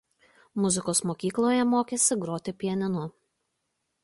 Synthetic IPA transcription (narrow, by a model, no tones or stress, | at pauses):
mʊzʲɪkoːsmoːkʲiːklˠoːjɛmoːkʲesʲɪɡɾoːt̪ʲɪpʲiɛnʲɪnʊ